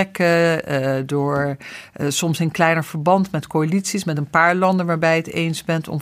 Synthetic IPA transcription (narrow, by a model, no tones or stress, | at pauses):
ɛkə | dʊːɹ | sɔmsɪnklɛjnəɹv̥əɹbɑntmɛtkoalitsismɛtənpaːɹlɑndənʋaːɹbɛjətḛjnzbɛntɔ̰m